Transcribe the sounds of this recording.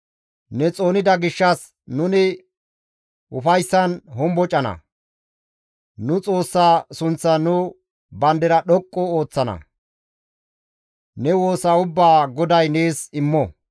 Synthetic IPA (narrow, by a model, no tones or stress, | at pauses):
nɛt͡sʼo̞ːnɪd̪ɐɡɪʃːɐs | nʊnɪ | ʊfɐjsːɐnɦɔmbɔt͡ʃʼɐnɐ̰ | nʊt͡sʼo̞ːsːaːsʊnt͡sːɐnʊ | bɐnd̪ɛɾɐɗɔkʼːɔoːt͡sːɐnɐ̰ | nɛwo̞ːsɐʊbːaːɡɔd̪ɐjne̞ːsɪmːɔ